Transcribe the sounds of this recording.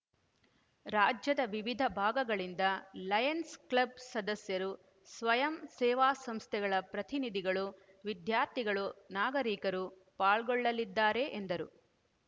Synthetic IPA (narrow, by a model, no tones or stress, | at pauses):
ɾaːd͡ʒjɐd̪ɐʋiʋid̪ʱɐbʱaːɡɐɡɐɭind̪ɐlɐjɐnsklɐb̚sɐd̪ɐsjɐɾu | sʋɐjɐmsɛːʋaːsɐmst̪ʰɛɡɐɭɐpɾɐt̪inid̪ʱiɡɐɭu | ʋid̪ʱjaːɾt̪ʰiɡɐɭunaːɡɐɾiːkɐɾu | paːɭɡɔɭːɐlid̪ːaːɾe̞ʔːnd̪ɐɾṵ